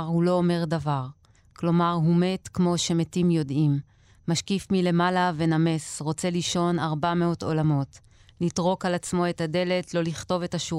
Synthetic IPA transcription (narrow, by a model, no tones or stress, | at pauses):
ʁhulo̞ːme̞ʁdavaʁ | klo̞maʁɦume̞tkmo̞ʃemetimjo̞dimː | aʃkifmile̞malave̞name̞sʁo̞t͡se̞liʃo̞naʁbame̞o̞to̞lamo̞t | litʁo̞kalat͡smo̞e̞tade̞le̞tlo̞liχto̞ve̞taʃu